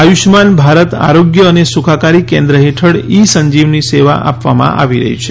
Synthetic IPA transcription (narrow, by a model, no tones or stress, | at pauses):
ajuʃmanbʱaɾət̪a̰ɾoɡjəːnesukʰakaɾikẽnd̪ɾəɦeʈʰəɽisəɲd͡ʒiʋniseʋa̰ʔa̰pʋamã̰ʔa̰ʋiɾə̰ɦḭt͡ʃʰe